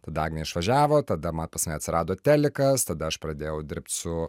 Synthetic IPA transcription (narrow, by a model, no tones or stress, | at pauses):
t̪ɐd̪ɐɐːɡnʲɛɪʃʋɐʒʲæːʋoːt̪ɐd̪ɐmɐnpɐsmɐɪɐt̪ʲsʲɪɾɑːd̪oːt̪ʲæːlʲɪkɐst̪ɐd̪ɐɐʃpɾɐd̪ʲeːjɛʊd̪ʲɪɾp̚ʲt̪ʲsʊ